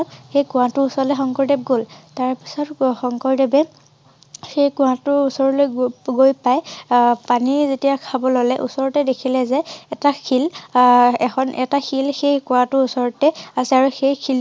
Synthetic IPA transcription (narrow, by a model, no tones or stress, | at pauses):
xejkʊ̃wãtʊusɔlɛxɔŋkɔɹdɛp̚ɡoltaɹpi̥sɔtxɔŋkɔɹdɛbɛ | xejkʊ̃wãtʊusɔɹɔlojɡɡojpajpanizetijakʰabɔlɔlɛʔṵsɔɹɔtɛdekʰilɛzɛːtakʰil | ɛkʰɔnʔɛtaxilxejkʊ̃ãtʊusɔɹɔtɛasɛaɹuxejkʰil